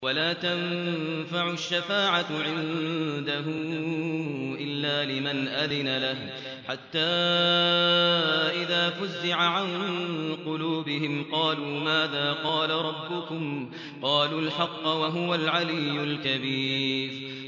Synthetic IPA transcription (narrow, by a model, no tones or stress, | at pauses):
walaːt̪anfaʕʊʃːafaːʕaʕɪnd̪aɦʊ | ʔɪlːaːlɪmanʔaðɪnalah | ħat̪ːaː | ʔɪðaːfʊzːɪʕaʕanqʊluːbɪɦɪmqɑːluːmaːðaːqɑːlaɾˤɑbːʊkʊm | qɑːluːlħɑqːɑwaɦʊwalʕalɪjːʊlkabiːf